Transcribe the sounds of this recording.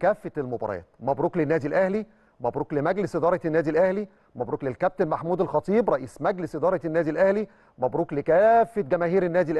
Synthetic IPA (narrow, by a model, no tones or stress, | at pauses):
kæːfːet̪elmobɑ̰ɾˤɑ̰ːt̪mæbɾuːklenːæːd̪ilʔæhli | mæbɾuːklemæɡlɪsʔɪd̪ɑːɾˤɑt̪nːæːd̪ilʔæhli | mæbɾuːklelkæb̚t̪enmaħmuːd̪elxɑt̪ˤiːbɾˤɑʔiːsmæɡlesʔɪd̪ɑːɾˤɑnːæːd̪ilʔæhli | mæbɾuːklɪkæːfːet̪̚ɡæmæːhiːɾenːæːd̪ilʔ